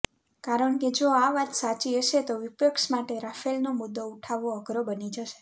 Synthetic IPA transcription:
kaɾəɳked͡ʒoaʋat̪sat͡ʃiəʃet̪oʋɪpjəkʃmaʈeɾafelnomʊd̪ːouʈʰaʋoəɡʱɾobənid͡ʒəʃe̥

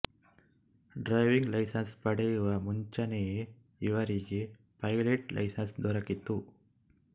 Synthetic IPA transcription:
ɖɾɐɪʋɪŋɡlɐɪsɐnspɐɽɛjɯʋɐmʊɲd͡ʒɐneje | ɪʋɐɾɪje | pɐjleʈlɐ̰ɪsɐnsd̪ɔɾɐkːit̪ːu

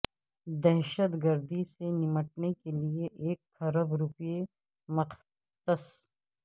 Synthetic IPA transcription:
d̪ɛɦʃət̪ɡəɾd̪isenɪməʈnekelieʔeːkːɐɾəbɾʊpje | mɐq | t̪əs

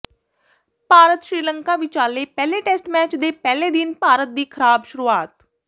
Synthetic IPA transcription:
paːɾət̪ʃɾiːləŋkaːʋɪt͡ʃaːleːpɛːleːʈɛːsʈmɛːt͡ʃd̪eːpɛːleːd̪ɪnpaːɾət̪̚d̪iːkʰəɾaːbʃʊɾuːaːt̪̚

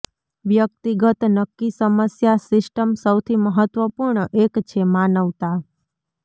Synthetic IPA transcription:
ʋjək̚t̪iɡət̪nəkːisəməsjasɪsʈəmsəwt̪ʰiməɦət̪ʋəpuɾɳəʔekt͡ʃʰemanəʋt̪a

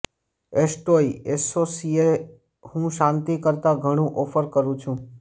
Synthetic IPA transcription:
esʈoiesosie | hũʃãnt̪ikəɾt̪aɡʱəɽ̃ũʔɔfəɾkəɾũt͡ʃʰũ

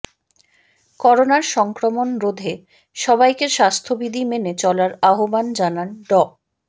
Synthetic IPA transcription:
kɔɾonaɾʃɔŋkɾomonɾod̪ʱe | ʃɔβajkeʃast̪ʰobid̪ʱimenet͡ɕɔlaɾaɦoband͡ʑananɖɔ

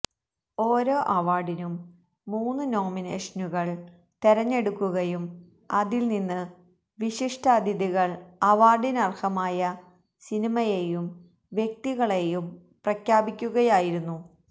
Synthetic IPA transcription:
o̞ːɾo̞ːʔɐʋaːɖinumː | uːnːɨno̞ːmine̞ːʂɐnuɣɐɭ | t̪eɾɐɲːe̞ɽukːuɣɐjum | ɐðilninːɨ | ʋiɕiʂʈʰaːd̪ʱjɐðiɣɐɭɐʋaːrɖinɐrhɐmaːjɐ | sinimɐjejum | ʋje̞k̚t̪iɣɐɭe̞jum | prɐkʰjaːbikʲːuɣɐjaːjiɾunːu

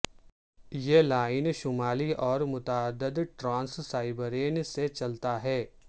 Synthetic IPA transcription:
jelaːɪnʃʊmaːliʔɔːɾmʊt̪aːd̪əd̪ʈɾãːnssaːɪbəɾeːnset͡ʃɐlt̪aɦɛː

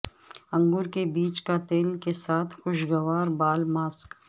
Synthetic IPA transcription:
ɐ̃ŋɡʊɾkebiːt͡ʃkat̪eːlkesaːt̪ʰxʊʃɡɐʋaːɾbaːlmaːsk

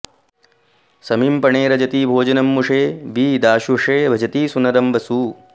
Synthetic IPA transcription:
sɐmimpɐɳeːɾɐd͡ʒɐt̪iːbʱoːd͡ʒɐnɐmːuʂeːbiːd̪aːʃuʂeːbʱɐd͡ʒɐt̪iːsunɐɾɐmbɐsuː

